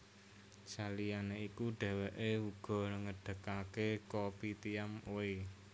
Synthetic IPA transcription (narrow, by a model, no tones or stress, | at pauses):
salijaneikuɖ̥ɛ̤weʔeuɡ̥ɔ̤nəŋəɖ̥ə̤kakekopit̪iamoe